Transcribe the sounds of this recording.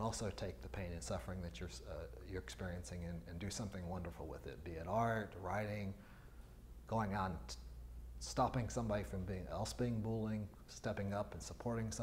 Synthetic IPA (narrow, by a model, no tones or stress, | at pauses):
ɔlˠsoʊtʰeɪk̚ðɨpʰẽɪ̃nɨ̃nsʌfə˞ɪ̃ŋðɨt͡ʃə˞ | jə˞ɨkspɪɹiɨ̃nsɪ̃ŋɨ̃nɨ̃ndɨsʌ̃mθɪ̃ŋwʌ̃ndə˞fl̩ˠwɪ̰ðɪ̰t̚b̥iɨɾɑɹt̚ɹaɪɾɪ̃ŋ | ɡ̥oʊɪ̃ŋə̃n | stɑpɪ̃ŋsʌ̃mbɑɾifɹʌ̃mbiɪ̃ŋɛ̰lˠsb̥iɪ̃ŋbulˠɪ̃ŋ | stɛpɪ̃ŋʌpn̩səpʰɔɹɾɪ̃ŋs